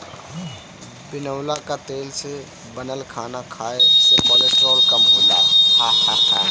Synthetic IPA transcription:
ɦ | binəʊlakat̪else | bənəlkʰanakʰaesepəleʈɔlkamɦola̰hahaha

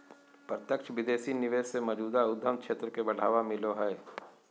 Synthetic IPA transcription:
pɾət̪jəkʃʋɪd̪eːsinɪʋeːʃsemɔd͡ʒuːd̪aʊd̪ːəmkʰʃʰeːt̪ɾəkebɐɽ̤a̰ːʋamɪloɦɛː

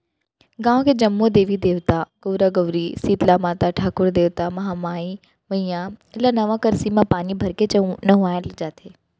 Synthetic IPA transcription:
ɡãːʋ̃kʰed͡ʑɐmːod̪eːʋid̪eːʋt̪aɡoːɾaɡɐʋɾisiːt̪lamaːt̪aʈʰaːkʊɾd̪eːʋt̪amɐɦamaːi | ʋɐ̃ĩjãɪlanɐʋãkɐɾsimãpaːnibʱɐɾket͡ɕɐũnɐɦuaːɪld͡ʒaːt̪ʰeː

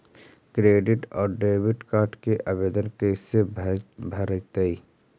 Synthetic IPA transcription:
kɾeːɖɪʈɔːɾɖeːʋɪʈkaːɾʈkeʔabeːd̪ənkɛːsebʱɐɾək̚t̪əi

